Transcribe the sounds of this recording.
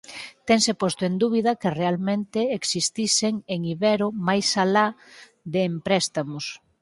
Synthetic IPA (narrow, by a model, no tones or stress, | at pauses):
t̪ɛŋsepost̪ʊend̪uβ̞iðɐkɪrealmẽnt̪ɪːksist̪iseŋeŋiβɛɾomajsala | ðeːmpɾɛst̪amʊs